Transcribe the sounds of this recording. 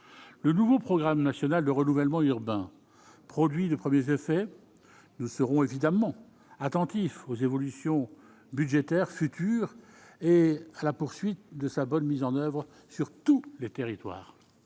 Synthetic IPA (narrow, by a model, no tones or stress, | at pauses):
lənuvopχɔɡʁamnasjɔnald̪əʁənuvɛlmɑ̃yʁbɛ̃ | pχɔd̪ɥid̪əpχəmjezefɛ | nusəʁɔ̃evid̪amɑ̃ | at̪ɑ̃t̪ifozevɔlysjɔ̃ | bydʒet̪ɛʁfyt̪ʰyːʁ | ealapuʁsɥit̪̚d̪əsabɔnmizɑ̃nœvʁə | syʁt̪ulet̪eʁit̪wa̰ːʁ